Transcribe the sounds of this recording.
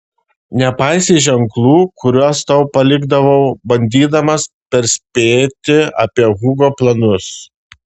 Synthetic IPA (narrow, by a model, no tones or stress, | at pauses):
nʲɛpɑɪsʲeɪʒʲɛŋklˠuːkʰʊɾʲuɔst̪ɐʊpɐlʲɪɡd̪ɐʋɐʊbɐnʲd̪ʲiːd̪ɐmɐs | pʲɛɾʲsʲpʲeːt̪ʲɪɐ̰pʲiɛɣʊɡoːplˠɐnʊs